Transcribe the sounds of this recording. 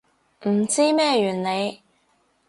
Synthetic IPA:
m̩˨˩t͡siː˥mɛː˥jyː˨˩nne˨˧j

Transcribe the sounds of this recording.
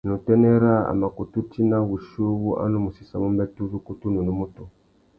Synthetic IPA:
nu˨tɛ˦nɛ˦ɾa˦a̰˨ma˨ku˨tu˦ti˦na˦βu˨ʃo˦βu˦ʔa̰˦nu˦mu˨si˨sa˨mu˦mbɛ˦tu˦zu˦ku˦tu˦nu˨ni˦mu˦to˨

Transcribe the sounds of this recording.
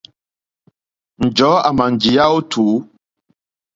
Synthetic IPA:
n̩˨d͡ʒɔː˨˦a˨ma˨n˨d͡ʒi˨ja˦o˦tʰuː˨˦

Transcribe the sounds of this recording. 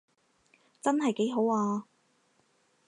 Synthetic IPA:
t͡sɐ˥nɦɐ˨jke˨˥jɦo˨˥waː˧

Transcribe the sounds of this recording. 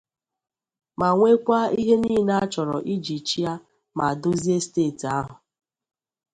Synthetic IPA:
ma˨ŋʷe˦kʷa˦i˦ɦe˦niː˦˨na˦t͡ʃɔ˨ɾɔ˨ʔi˦d͡ʒi˨t͡ʃi˦a˦ | ma˨a˨do˦zi˦e˦steː˦˨ti˨a˦ɦʊ˨

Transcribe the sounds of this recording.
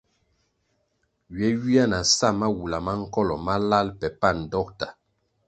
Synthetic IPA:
ɥɛ˨˦ɥi˦a˦na˨sa˦˨ma˦wu˨la˨ma˦ŋ̩˦kɔ˦lɔ˨ma˦la˦lpɛ˨pa˦˨n̩˨dɔ˦k̚ta˨

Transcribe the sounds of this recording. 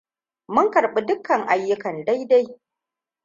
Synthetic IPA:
mʊ˦ŋkɐ˨ɾɓi˨dʊ˦kːɐ˨ŋʔa˨˦jːʊ˦kɐ˨nda˦jda˦j

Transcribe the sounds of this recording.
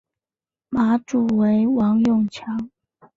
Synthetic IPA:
ma˨˥ʈ͡ʂu˨˩we˧˥˦ɪwɑ˧˥ŋjʊ˥˨ŋt͡ɕʰjɑ˧˥˦ŋ

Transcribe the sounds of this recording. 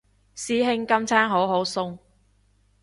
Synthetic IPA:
siː˨˥ɦɪ˧ŋkɐ˥mt͡sʰaː˥nɦo˨˥wɦo˨˥wsʊ˥ŋ

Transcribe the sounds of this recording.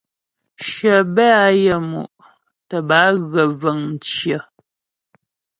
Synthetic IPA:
ʃə˨bɛ˦a˨˦jə˦˨mṵ˨ʔ | tə˨ba˨˦ɣə˨və˨ŋn̩˨t͡ʃjə˨

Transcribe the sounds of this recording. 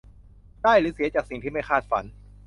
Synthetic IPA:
daː˥˩jɾɯː˨˦˥si˨˩˦ɐt͡ɕaː˨˩k̚si˨˩ŋt̪ʰiː˥˩ma˥˩jkʰaː˥˩t̪̚fa̰˩˦n

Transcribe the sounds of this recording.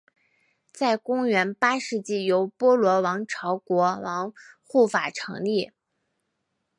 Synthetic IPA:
t͡sa˥˩ɪkʊ˥ŋɥɛ˧˥npa˥ʂɻ̩˥˧t͡ɕi˥˩jo˧˥ʊpwɔ˥lwɔ˧˥wɑ˧˥ŋʈ͡ʂʰɑ˧˥ʊkwɔ˧˥wɑ˧˥ŋxu˥˩fa˨˩ʈ͡ʂʰɤ̰˧˥ŋli˥˩

